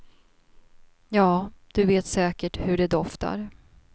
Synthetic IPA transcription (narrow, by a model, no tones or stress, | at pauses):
jɑːd̪̥ɵveːt̪sɛːkəʈhɵɖɛd̪ɔft̪a̰ɾ